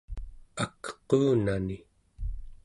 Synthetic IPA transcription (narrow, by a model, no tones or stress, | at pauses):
akquːnani